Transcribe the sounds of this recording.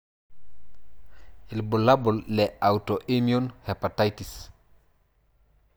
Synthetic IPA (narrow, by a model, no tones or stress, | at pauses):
ʔilbɔlabɔlːɛawtɔʔemionhepatajtis